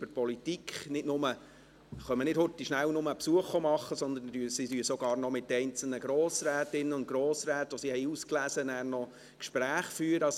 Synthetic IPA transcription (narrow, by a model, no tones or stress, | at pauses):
b̥əɾpɔlit̪ikχnɪdnʊmə | χœmənɪdhʊtːiʃnæwnʊməpsuəχɔmɑχːəsɔnd̪ən̩dyːsidyəsɔɡɑːɾrnɔmɪtːɛɪnt͡sl̩nəɡɾoːsɾæːtɪnːəʊnt̚ɡ̥ɾoːsɾæːtɔsihɛɪusklæzənæːrnɔ | kʃpɾæːχfyːɾəɑ